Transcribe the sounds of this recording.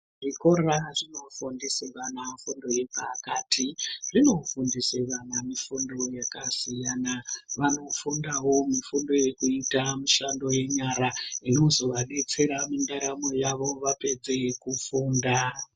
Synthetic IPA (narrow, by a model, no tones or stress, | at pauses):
ʐiko̞ɾaʐino̞fundiseʋanafundo̞je̞pakatʰiʐino̞fundiseʋanamifundo̞jakasijanaʋano̞fundaɦwo̞mifundo̞je̞kuitamuʃando̞je̞ɲaɾaino̞zo̞ʋaɗe̞t͡se̞ɾamindaɾamo̞jaʋo̞ʋape̞d͡ze̞kufuːnda